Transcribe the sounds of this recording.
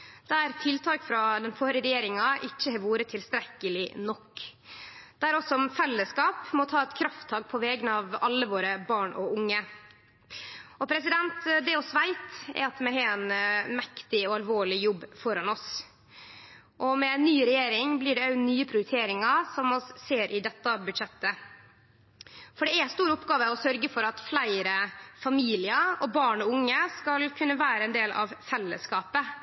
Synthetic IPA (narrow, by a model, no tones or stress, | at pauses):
d̪̥ɛæɾt̪ʰɪlt̪ʰɑːkfɾɑd̪ɛnfɔɾəɾɛjeːɾɪŋɑʔɪçːəhɛʋuːɾət̪ʰɪlst̪ɾɛkːəlɪnɔkː | d̪̥æːɾɔsɔmfɛlːəskɑːpmɔt̪ʰɑːɛt̪kʰɾɑft̪ʰːɑːk̚pʰɔʋɛːɡənəɑʋɑlːəʋoːɾəbɑːɳɔʊŋːə | ɔpʰɾɛsɪd̪ɛnt̪d̪ɛɔsʋæɪt̪ɛ̰ɾɑt̪mɛɦɛɛnmɛkt̪ɪɔɑlʋoːɭɪjɔbːfɔɾɑnɔs | ʔɔmɛnːyːɾɛjeːɾɪŋblɪɖɛnyːəpʰɾʊɾt̪ʰeːɾɪŋɑsɔmɔsːeːɾʔɪd̪ɛt̪ːɑbʉd̪ʂɛt̪ːə | fɔɖɛɛst̪uːɾʊpːɡɑːʋəɔsœɾɡəfɔɾɑt̪flæɪɾəfɑmiːlɪɑɔbɑːɳɔʊŋːəskɑlkʰʉnːəʋæːɾəɛnd̪eːlʔɑ̰ʋfɛlːəskɑːpə